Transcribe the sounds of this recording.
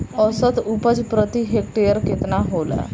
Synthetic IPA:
əsət̪upəd͡zpɾət̪iɦekʈejəɾket̪naɦola̰

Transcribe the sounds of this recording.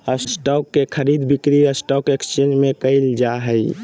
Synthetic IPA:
əssʈɔkːekʰəɾid̪bikɾiəsʈɔkekst͡ʃed͡ʒmẽkəɪld͡ʒaɦəj

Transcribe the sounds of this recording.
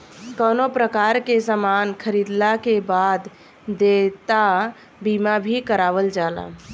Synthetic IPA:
kənopɾəkaɾkesamankʰəɾid̪lakebad̪ː | et̪a | bimabʱikəɾaʋəld͡ʒala̰

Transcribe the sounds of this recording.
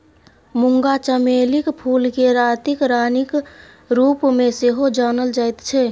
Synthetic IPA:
mʊŋɡat͡ʃəmelikpʰulkeɾat̪ikɾaːnik | ɾupmẽseɦod͡ʒanəld͡ʒaːjt̪t͡ʃʰɛ

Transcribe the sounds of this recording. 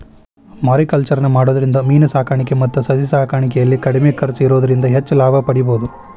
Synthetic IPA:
maːɾikɐlt͡ʃɐɾɐnɐmaːɽoːd̪ɐɾind̪ɐmiːnɐsaːkaːɳikemɐt̪ːusɐsisaːkaːɳikɛjɐlːikɐɽimekɐɾit͡ʃiɾoːd̪ɐɾind̪ɐɦet͡ʃːlaːbʱɐpɐɽiboːd̪u

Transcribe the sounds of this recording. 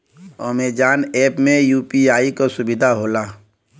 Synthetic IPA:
ɔːmed͡ʒaːnɛːpmẽjuːpiaːikosʊbɪd̪ʱaɦoːlaː

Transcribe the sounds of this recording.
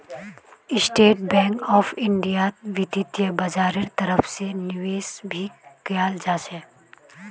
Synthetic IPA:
ɪsʈeːʈ̚bɛ̃ːŋkɔːfɪɳɖijat̪ʋɪd̪it̪jəbɐd͡ʒaːɾɪɾt̪əɾəfʰsenɪʋeːsbʱikjaːld͡ʒaːʃɛ̃ː

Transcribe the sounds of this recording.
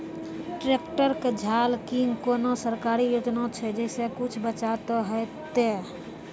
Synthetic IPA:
ʈɾeːkʈəɾked͡ʒʱaːlkiŋɡkoːnosəɾkaːɾijoːd͡ʒnõt͡ʃʰɛd͡ʒɛsekʊt͡ʃʰbət͡ʃat̪oɦɛt̪e

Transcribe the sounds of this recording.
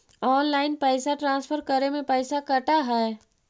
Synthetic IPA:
ɔːnlaːɪnpɛːsaʈɾãːspʰəɾkəɾemẽpɛːsakəʈaɦɛː

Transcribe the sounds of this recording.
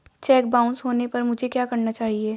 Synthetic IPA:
t͡ʃɛːk̚baːʊ̃nsɦoːnepɐɾmʊd͡ʒʱekjaːkɐɾnat͡ʃaːɦieː

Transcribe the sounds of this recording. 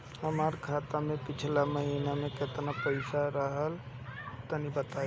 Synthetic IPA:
ɦəmaɾkʰaːt̪amẽpɪt͡ʃʰlaməɦinamẽkɪt̪napəɪsaɾəɦəl | t̪ənibət̪a

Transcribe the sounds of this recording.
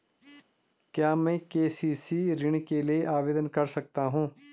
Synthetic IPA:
kjaːmɛ̃ːkeːsiːsiːɾɪɳ̃keːleʔaːʋeːd̪ənkəɾsək̚t̪aːɦũː

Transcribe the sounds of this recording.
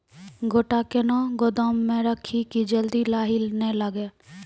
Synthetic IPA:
ɡoːʈakenɔɡod̪ɔmːẽɾəkʰikid͡ʒəld̪ilaːɦɪlnɛləɡe

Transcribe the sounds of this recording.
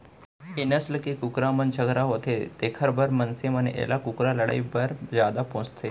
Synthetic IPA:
enəsləkekukɾamənt͡ɕʰəɡɾaɦot̪et̪ekʰəɾbəɾmənsemənḛʔḛlakukɾaləɽa̰ibəɾd͡ʑad̪apõt͡st̪ʰe

